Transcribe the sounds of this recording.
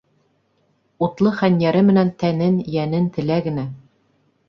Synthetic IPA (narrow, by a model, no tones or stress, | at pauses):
ut̪lˠɤχænjæɾɘmɘ̆nænt̪ænɘnjænɘnt̪ɘ̆læɡɘ̆næ